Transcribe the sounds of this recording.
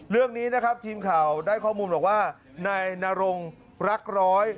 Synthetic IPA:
ɾɯ˥˩əŋniː˦˥na˦˥kʰa˦˥p̚t̪ʰiː˧mkʰaː˨˩wdaː˥˩jkʰɔː˥˩muː˧nbɔː˨˩k̚waː˥˩ | naː˧jnaː˧ɾo˧ŋ | ɾa˦˥k̚ɾɔː˦˥j

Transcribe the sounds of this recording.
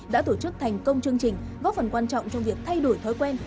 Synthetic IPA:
ɗa̰ː˧˥t̪o˧˩t͡ɕɨ˦˥k̚t̪ʰa˨˩jŋ̟kə˧wŋ͡mt͡ɕɨ˧əŋt͡ɕï˨˩ŋ̟ɣɔ˨˦˥fə˨˩nkwaː˧nt͡ɕɔ̰˧˨wŋ͡mt͡ɕɔ˧wŋ͡mvi˨˩ək̚t̪ʰa˧jɗo˧˩jt̪ʰɔ˨˦jkwɛ˧n

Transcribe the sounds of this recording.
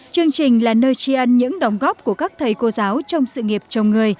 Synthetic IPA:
t͡ɕɨ˧əŋt͡ɕï˨˩ŋ̟laː˨˩nəː˧jt͡ɕi˧ʔə˧nɲɨ̰˧˥ŋɗə˨˦wŋ͡mɣɔ˦˥p̚ku˧˩əkaː˦˥k̚t̪ʰə˨˩jko˧zaː˨˦wt͡ɕɔ˧wŋ͡msɨ̰˧˨ŋi˨˩əp̚t͡ɕə˨˧˩wŋ͡mŋɨ˨˩əj

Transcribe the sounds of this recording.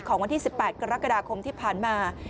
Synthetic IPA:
kʰɔː˩˦ŋwa˧nt̪ʰiː˥˩si˨˩pːɛː˨˩t̪̚ka˧ɾa˦˥kːa˧daː˧kʰo˧mt̪ʰiː˥˩pʰaː˨˩nmaː˧

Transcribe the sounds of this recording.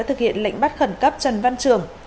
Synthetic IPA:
t̪ʰɨ˨˩k̚hḭ˧ənla̰˧jŋ̟ɓa˦˥t̚xə˧˩nkə˦˥p̚t͡ɕə˨˩nva˧nt͡ɕɨ˨˩əŋ

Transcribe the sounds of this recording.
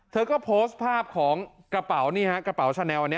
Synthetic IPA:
t̪ʰɤː˧kɔː˥˩pʰoː˦˥st̪̚pʰaː˥˩p̚kʰɔː˩˦ŋ | kɾa˧pa˩˦wniː˥˩ha˦˥kɾa˧pa˩˦wt͡ɕʰaː˧nɛː˧wa˨nːi˦˥

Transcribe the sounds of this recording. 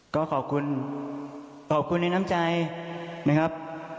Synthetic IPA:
kɔː˥˩kʰɔː˨˩p̚kʰu˧n | kʰɔː˨˩p̚kʰu˧nːa˧jna˦˥˩mt͡ɕa˧jna˦˥kʰa˦˥p̚

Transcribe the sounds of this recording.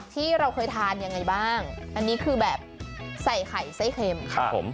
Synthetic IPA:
t̪ʰiː˥˩ɾa˧wkʰɤː˧jt̪ʰaː˧nja˧ŋːa˧jbaː˥˩ŋʔa˧nːiː˦˥kʰɯː˧bɛː˨˩p̚sa˨˩jkʰa˨˩jsa˥˩jxʰe˧mkʰa˦˧o̰˩˦m

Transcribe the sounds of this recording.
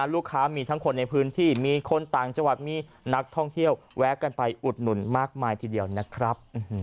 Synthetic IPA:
luː˥˩kʰːaː˦˥miː˧t̪ʰa˦˥ŋkʰo˧nːa˧jpʰɯː˦˥nt̪ʰiː˥˩miː˧kʰo˧nt̪aː˨˩ŋt͡ɕa˧ŋwa˨˩t̪̚miː˧ | na˦˥k̚t̪ʰɔ˥˩ŋt̪ʰi˥˩əw | wɛː˦˥kːa˧npa˧jʔu˨˩t̪̚nu˨˩˦nmaː˥˩k̚maː˧jt̪ʰiː˧di˧əwna˦˥kʰɾa˦˥p̚ʔ

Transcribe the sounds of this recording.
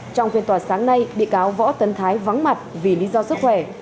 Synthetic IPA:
t͡ɕɔ˧wŋ͡mfi˧nt̪waː˨˩saː˨˦ŋna˧jɗḭ˧˨əʔaː˨˦wvɔ̰˧˥t̪ə˨˦nt̪ʰaː˨˦jva˨˦nma˨˩t̚vi˨˩lḭ˨˦˥zɔ˧sɨ˦˥k̚xwɛ˧˩

